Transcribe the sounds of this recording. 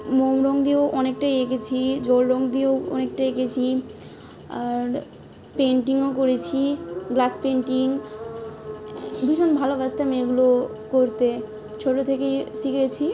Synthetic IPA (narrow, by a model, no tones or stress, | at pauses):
momɾɔŋd̪ioʔɔnek̚ʈajekʰet͡ɕʰid͡ʑolɾɔŋd̪ioɔ̰nek̚ʈajekʰet͡ɕʰi | aɾ | peɳʈiŋokoɾet͡ɕʰiɡlaspeɳʈiŋ | bʱiʃonbʱalobast̪ameɡulo | koɾt̪e | t͡ɕʰoʈːot̪ʰekejsiket͡ɕʰi